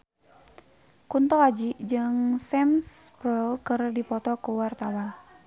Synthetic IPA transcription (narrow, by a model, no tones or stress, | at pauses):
kunt̪ɔad͡ʒiʔd͡ʒɨŋsɛmspɾɔlkɨrdipɔt̪ɔkuwart̪awan